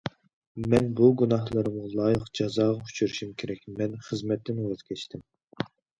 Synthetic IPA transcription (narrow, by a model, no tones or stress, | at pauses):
mɛnbuɡunɑhlˠɨɾɨmlˠɑːjəqd͡ʒɑzɑːʁɑu̥t͡ʃʰyɾiʃumkʲʰeɾɛkʲmɛnχəzmɛt̪ːɪnøt̪kʲʰɛt͡ʃt̪ʰɪm